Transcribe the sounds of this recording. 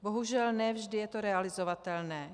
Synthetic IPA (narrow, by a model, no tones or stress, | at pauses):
boɦuʒɛlnɛvʒdɪjɛt̪oɾɛalɪzovat̪ɛlnɛː